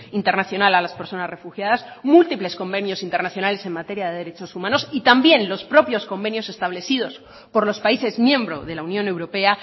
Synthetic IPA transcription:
int̪e̞ɾnaθjo̞nalalaspe̞ɾso̞nazre̞fuxjaðasmult̪iple̞sko̞mbe̞njo̞sint̪e̞ɾnaθjonale̞se̞nmat̪e̞ɾjaðeðeɾe̞t͡ʃo̞sumãno̞sit̪ambje̞nlo̞spɾo̞pjo̞sko̞mbe̞njo̞se̞st̪aβ̞le̞θiðo̞s | po̞ɾlo̞spaise̞zmjẽ̞mbɾo̞̰ðe̞launjõne̞wɾo̞pe̞a

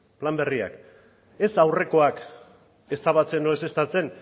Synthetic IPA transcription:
plambe̞ria̰k | e̞sawre̞ko̞ak | e̞saβat͡se̞noese̞st̪at͡se̞n

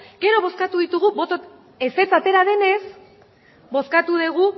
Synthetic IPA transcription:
ɡ̥e̞ɾo̞β̞o̞skat̪uðit̪uɣubo̞t̪o | e̞se̞t͡sat̪e̞ɾaðe̞ne̞s | bo̞skat̪uðeɣ̞u

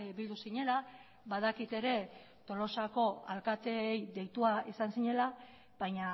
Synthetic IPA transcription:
βild̪usiɲe̞la | βað̞akit̪e̞ɾe̞ | t̪o̞lo̞sako̞a̰lkat̪e̞ːjðe̞jt̪uaisansiɲe̞la | bajɲa

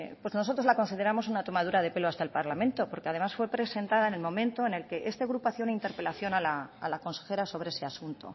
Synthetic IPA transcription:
pwe̞snoot̪ɾo̞zlako̞nsiðe̞ɾamo̞s̬unat̪o̞mað̞uɾaðe̞pe̞loast̪aelpaɾlamẽnt̪o̞po̞ɾkeað̞e̞masfwe̞pɾe̞se̞nt̪aðaene̞lmõ̞mẽnt̪o̞ene̞lke̞ʔe̞st̪e̞ɣɾupoaθjeunaint̪e̞ɾpe̞laθjo̞nalaːlako̞nse̞xe̞ɾaso̞βɾe̞ese̞asunt̪o̰

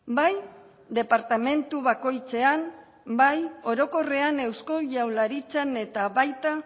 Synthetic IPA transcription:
baj | d̪e̞paɾt̪ame̞nt̪uβako̞jt͡se̞an | bajo̞ɾo̞ko̞re̞ane̞wsko̞ʝawlaɾit͡sene̞t̪aβajt̪a

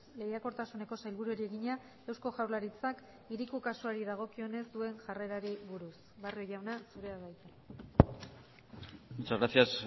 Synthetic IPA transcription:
le̞jako̞ɾt̪asune̞ko̞sajlβuɾue̞ɾie̞ɣiɲa | ewsko̞ʝawɾlaɾit͡sak | iɾikukasuaɾiðaɣ̞o̞kio̞ne̞zd̪ue̞nʝareɾaɾiβuɾus | βarioʝawnasuɾe̞aβajt̪e | ut͡saɣɾasias

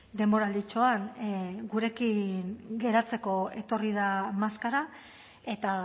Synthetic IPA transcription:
d̪e̞mbo̞ɾald̪it͡ʃoanɡuɾe̞kinɡe̞ɾat͡se̞ko̞e̞̰t̪o̞riðamaskaɾa | e̞t̪a

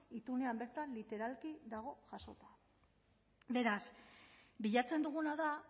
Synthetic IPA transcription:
it̪une̞ambe̞ɾt̪anlit̪e̞ɾalkiðaɣ̞o̞ʝaso̞t̪ḁ | be̞ɾas | biʎat͡send̪uɣ̞unaða

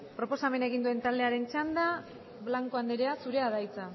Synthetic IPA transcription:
pɾo̞po̞same̞ne̞ɣind̪ue̞nt̪ald̪e̞aɾe̞nt͡ʃand̪a | βlaŋko̞and̪eɾeasuɾe̞að̞ajt͡sa

